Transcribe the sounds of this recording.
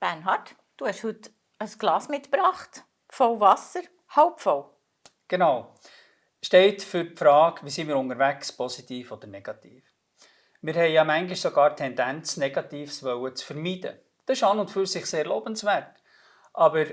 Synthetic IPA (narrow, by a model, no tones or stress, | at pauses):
b̥ænɦɑt | d̥uhɛʃhʉt | əsɡ̥lɑːsmɪt̪pɾɑːχt̪ | fɔwvɑsəɾ | haʊpfɔw | ɡ̥enɑw | ʃtɛɪtfʏɾfɾɑːkʋiːsiːmɪːɾʊŋəɾvækspʰɔsitiːfɔd̥ənɛɡ̥ɑtiːf | mɪɾhɛɪjɑmæŋɡlɪʃsoɡɑːɾtʰɛndænt͡snɛɡ̥ɑtiːfsʋœwət͡sfəɾmiːd̥ə̰ | d̥̪ɑɪʃɑːnʊntfyɾsɪχseːɾloːb̥ənsvɛt | ʔɑbəɾ